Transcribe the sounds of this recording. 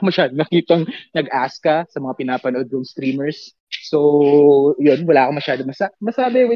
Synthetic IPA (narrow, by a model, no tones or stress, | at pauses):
mɐʃaːd̪onɐkiːt̪ɐŋnɐɡʔaskɐsɐmɐŋapɪnaːpɐnʔod̪̚koŋst̪ɾiːmɛɹsː | o | jo̞nwɐlaːkɐmɐʃaːd̪omɐsaʔmɐsaːbɛw